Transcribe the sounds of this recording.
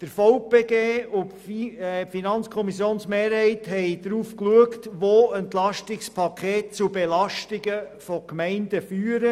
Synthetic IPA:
d̥əɾfɔʊpeːɡeːʊ | finɑnt͡skʰɔmisjoːnsmeːɾhɛɪthɛɪd̥ɾuːfkluəktʋoəntlɑʃtɪkspʰɑkʰeːt̚t͡subɛlɑʃtɪɡəfɔkmɛɪnd̥əfyːɾə

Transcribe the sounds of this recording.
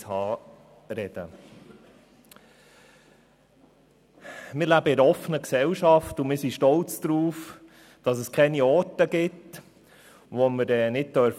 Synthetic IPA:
hɑː | ɾɛd̥ə̰ | mɪɾlæbəɪɾəɔfənəksɛlʃɑftʊmɪːɾsiʃtɔlt͡sd̪̥ɾuːf | d̥ɑsəskʰɛniɔːtəɡɪt | ʋɔməɾɛːnɪt̚tœɾf

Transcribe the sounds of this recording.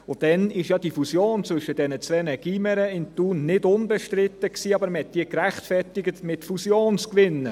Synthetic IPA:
ʊd̥ɛnɪʃjɑd̥ifusjoːnt͡svɵʃəd̥ɛnət͡sʋɛnəɡ̥iməɾəɪntuːnːɪdʊnbɛʃtɾɪt̪ːəksiːɑbəɾməhɛt̚d̥iːəkɾæχtfɛɾtɪɡətmɪtfusjoːnt͡skʋɪnːə

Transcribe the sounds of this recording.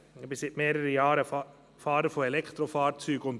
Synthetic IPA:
bəsɪt̪meːɾəɾəjɑːɾə | fɑːɾəfɔɛlɛkt̪ɾɔfɑːɾsyːɡɔn

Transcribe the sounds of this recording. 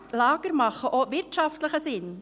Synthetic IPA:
lɑːɡ̥əɾmɑχːəʔoːʋɪɾtʃɑftləχəsɪn

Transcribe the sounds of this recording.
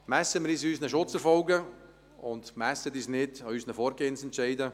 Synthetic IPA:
mɛsəmɪɾiːsyːsnəʃʊt͡sɛɾfɔlɡə | ʊndmɛsədyːsnɪdɑyːsnəfɔːɾɡeːənsɛntʃɛɪdə

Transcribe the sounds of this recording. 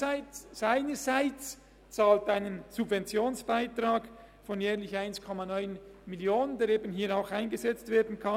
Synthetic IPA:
aɪnəzaɪt͡s | t͡saːltaɪnənz̥ubvɛnt͡sjoːnsb̥aɪtraːɡ | fɔnjɛːʁlɪçaɪnskʰɔmɑnɔʏnmiljoːnəndeːɾeːbənɦiːɾaʊxaɪnɡəzɛt͡stv̥eːɐdn̩kʰɑ

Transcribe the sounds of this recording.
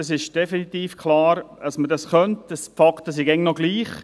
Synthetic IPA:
ɑsɪʃd̥efinit̪iːfkʰlɑːɾɑsmədɑsχœntəsfɑktəs̬iɡɛŋnɔɡliːχ

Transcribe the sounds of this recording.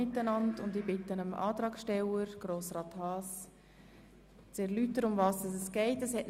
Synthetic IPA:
ɪtːənɑndʊndibɪtənəmʔɑ̰ːt̪ɾɑːkʃtɛləɾɡ̥roːsrɑːthɑːs | t͡sɛɾlytːəɾʊmvɑːsdɑs̬ɛsɡ̥ɛɪtɛshɛtn

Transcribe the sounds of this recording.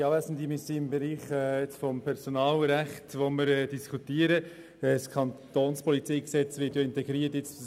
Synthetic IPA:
ɑːvæsən̩dimisiɪmbɛɾiːχɛɪt͡sfɔmpʰɛɾsɔnɑːlɾæχtʋɔməɾɛd̥iskʰutiːəɾə | skʰɑnt̪oːnspɔlit͡siːksɛt͡sʋɪːtjoɪntɛɡ̥ɾiːətjɪt͡s

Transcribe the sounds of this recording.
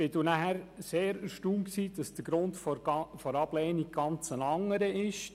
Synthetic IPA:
b̥ɪdunæhæɾseːɾəʃtuːmksiːd̥ɑsd̥əɡ̥ɾʊntffɔɾɑb̥lɛːnik̚ɡ̥ɑnt͡sənɑŋːəɾəɪʃ

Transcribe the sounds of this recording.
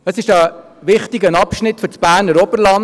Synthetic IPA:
əsɪʃɑ | ʋɪχtɪɡənɑpʃnɪtfɵɾt͡sb̥æːɾnəɾɔbəɾlɑn

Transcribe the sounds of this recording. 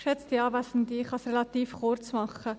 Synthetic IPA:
ʃɛt͡st̪iɑːvæsn̩d̪iχɑsrɛlɑt̪iːfχʊɾt͡smɑχə

